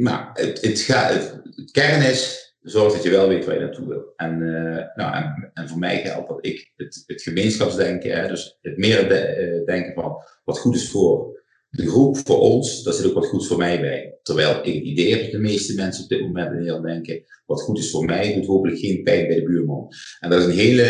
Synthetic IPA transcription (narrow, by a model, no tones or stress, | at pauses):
ma̰ətətxaətətkɛrnɪs | zɔɹɣdɑtjəʋɛlˠʋejtʋa̰ːjənaːtuʋɪ̰lˠɛnno̰wʔɛ̰nɛnvʊːɹmɛ̰jɣɛ̰lˠt̚dɑtɪ̰kətətxəmejnsxɑpzdɛŋkə̰ɦɛ̰dɵsətmɪːrdɛdɛŋkənvɑn | ʋɑtxutɪsfʊːr | dəxrupfʊːɹɔnsdɑz̥ɪtokʋɑtxutsfʊːɹmɛjbɛ̰jtərɹʋɛjlˠɪkətidejɦɛp̚dɑt̚dəmejstəmɛnsənɔbdɪt̚momɛntənɪːlˠdɛŋkə | ʋɑtxutɪsfʊːɹmɛjdutɦoːpələkxeːnpɛjnbɛjdəbyːɹmɑ̰nʔɛndɑtɪsənɦeːlə